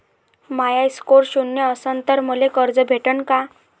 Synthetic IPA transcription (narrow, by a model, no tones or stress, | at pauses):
majajskoɾɕunjəəsənt̪əɾməlekəɾd͡zəbʱeʈəɳka